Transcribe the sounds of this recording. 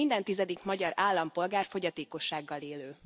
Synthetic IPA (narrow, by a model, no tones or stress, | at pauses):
ind̪ɛnt̪izɛd̪ikmɒɟɒɾaːlːɒmpo̞lɡaːrfo̞ɟɒt̪eːko̞ʃːaːɡːɒleːløː